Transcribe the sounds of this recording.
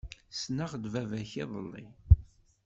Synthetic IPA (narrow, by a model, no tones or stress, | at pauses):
snaʁd̪vævæçiðˤə̰lːḭ